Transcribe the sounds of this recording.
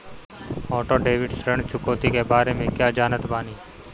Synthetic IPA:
ɔːʈoːɖeːʋɪɖsɾəɳt͡ʃʰʊkoːt̪ikebaːɾemẽkjaːd͡ʒaːnət̪baːniː

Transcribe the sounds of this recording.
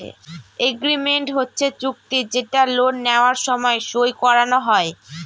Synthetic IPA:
ḛeɡɾimeɳʈɦotːɕʰet͡ɕuk̚t̪id͡ʑeʈalonːeoaɾʃɔmɔeʃojkɔɾanoɦɔe

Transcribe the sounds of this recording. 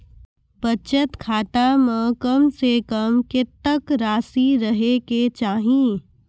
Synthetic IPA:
bət͡ʃət̪kʰaːt̪amə̃kəmsekəmket̪ːəkɾaːsiɾəɦeket͡ʃaːɦĩ

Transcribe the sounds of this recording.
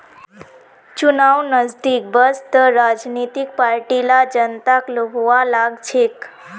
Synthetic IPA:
t͡ʃunawnəzd̪ik̚bəst̪əɾad͡ʒnit̪ik̚paɾʈilad͡ʒənt̪aklobʱuwalaɡt͡ʃʰek

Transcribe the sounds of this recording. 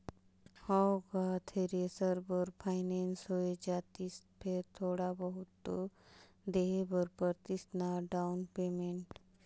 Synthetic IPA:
haɡaːt̪ʰeɾesəɾbəɾpʰaːɪneːnsɦoed͡ʒaːt̪ispʰeɾt̪ʰoːɽabəɦʊt̪ːo | d̪eːɦebəɾpəɾt̪ɪsnaɖaʊnpeːmẽɳʈ

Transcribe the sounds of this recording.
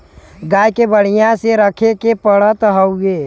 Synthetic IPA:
ɡaːjkebəɽ̤ijãseɾəkʰekepəɽət̪ɦəʊɡeː

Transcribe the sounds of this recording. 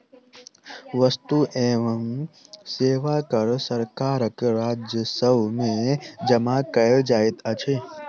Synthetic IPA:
ʋəst̪uʔeʋəmseːʋakəɾsəɾkaːɾəkɾaːd͡ʒjəsəʋmẽd͡ʒəmakəld͡ʒaːet̪ət͡ʃʰe

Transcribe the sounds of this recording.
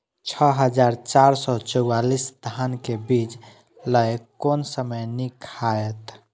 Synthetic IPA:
t͡ʃʰəɦəd͡ʒaɾt͡ʃaɾsɔt͡ʃəwwalisd̪ʱankebid͡ʒ | ləjkonsəməjnikʰaet̪

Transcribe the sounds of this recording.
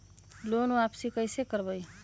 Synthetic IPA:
lonuapsikʌjsekʌɾbʌj

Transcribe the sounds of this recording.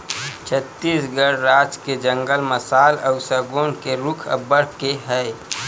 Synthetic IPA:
t͡ʃʰət̪ːiːsɡəɾɾaːd͡ʒked͡ʒə̃ŋɡəlməsaːləʊsəɡoːnkeɾʊkʰə̰bəɽ̤keɦɛː

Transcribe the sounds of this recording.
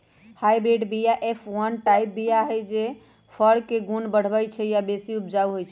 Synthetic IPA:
hajbɾeɖbijaʔepʰwənʈajp̚bijaɦəjd͡ʒe | pʰəɽkːeɡunbəɽ̤bəjt͡ʃʰɛjabesiup̚d͡ʒawɦojt͡ʃʰɛ

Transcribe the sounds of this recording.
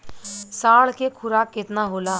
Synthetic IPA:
saːɭkekʰʊɾaːkːɪt̪naɦoːlaː

